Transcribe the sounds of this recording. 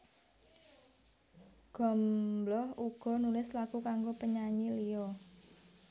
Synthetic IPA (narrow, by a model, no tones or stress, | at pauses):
ɡ̥ɔ̤mblɔhuɡ̥ɔ̤nulɪslaɡ̥ukaŋɡopəɲaɲilijɔ